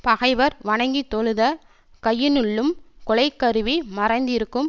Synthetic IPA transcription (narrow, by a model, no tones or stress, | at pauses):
pɐɣɐɪʋɐɾʋɐɳɐŋɡit̪ːɔɭɯðɐ | kɐjːɪnʊɭːɯmkɔɭɐɪkːɐɾɯʋimɐrɐɪnd̪ɪɾɯkːɯm